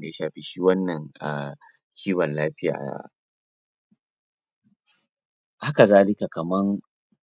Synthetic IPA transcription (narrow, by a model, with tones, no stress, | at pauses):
da˨ja˦ʃaː˨ɸi˦ʃiː˦wɐ˦nːɐ˨ŋa˨ | kʲʰiː˦wɐ˨nlaː˦ɸɪ˦ja̰ː˨ʔja̰˦ | ha˦ka˨zaː˦lɪ˦ka˨kɐ˨mɐ˦ŋ